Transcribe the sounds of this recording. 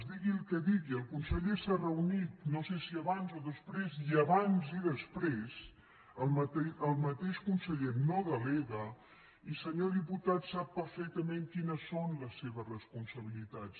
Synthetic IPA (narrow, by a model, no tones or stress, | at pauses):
zðiɣilˠkəðiɣiəlˠkunsəʎesarəunit̪nosesiəβanzoðəspɾeziəβanziðəspɾez | əlˠməəlˠmət̪eʃkunsəʎenoðəleɣə | isəɲoðiput̪at̪sapːəɾfɛk̚t̪əmẽŋkinəsːonləsːeβəzrəspunsəβilit̪at͡s